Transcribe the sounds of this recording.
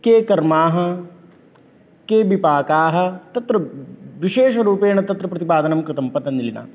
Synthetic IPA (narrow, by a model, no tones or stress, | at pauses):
keːkɐɾmaːɦɐ̆ | keːbipaːkaːɦɐ̆t̪ɐt̪ɾɐʋiʃeːʃɐɾuːpeːɳɐt̪ɐt̪ɾɐpɾɐt̪ipaːd̪ɐnɐmkɾɪt̪ɐmpɐt̪ɐnilina̰ː